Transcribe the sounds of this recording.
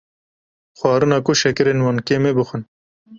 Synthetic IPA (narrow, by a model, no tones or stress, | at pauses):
xwɑːɾɨnɑːkʊʃɛkɨɾeːnwɑːnkeːmeːbɨxɨn